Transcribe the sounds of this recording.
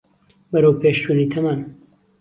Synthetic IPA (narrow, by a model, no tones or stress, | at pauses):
bɐɾowpʰeːʃt͡ʃuniːt̪ʰɐman